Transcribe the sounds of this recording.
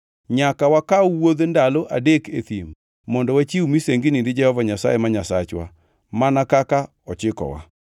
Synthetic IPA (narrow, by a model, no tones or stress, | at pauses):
ɲakawakauwoðendaloʔa̰dekeθimː | ɔndɔwat͡ʃiumiseŋɡeninded͡ʒɛhɔvaɲasa̰jemaɲasat͡ʃwa̰ | manakaka | ɔt͡ʃɪkɔ̰wa̰